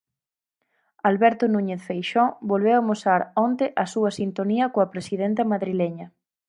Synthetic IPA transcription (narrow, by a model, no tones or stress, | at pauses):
alβɛɾt̪ʊnuɲeθfejʃɔbolβewamosaɾɔnt̪ɪʔɐsuɐsint̪oniɐkoɐpɾesiðent̪̬ɐmaðɾileɲɐ